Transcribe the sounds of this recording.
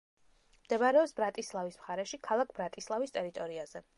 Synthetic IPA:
md̪̥ɛbaɾɛɔpsb̥ɾat̪ʼislˠavismχaɾɛʃikʰalˠak̚ʰbɾat̪ʼislˠavist̪ʼɛɾit̪ʼɔɾiaz̥ɛ

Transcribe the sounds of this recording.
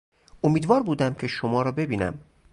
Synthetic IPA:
omiːd̪vɒːɾbuːd̪æmcʰe̞ʃomɒːɾɒːbe̞biːnæ̰m

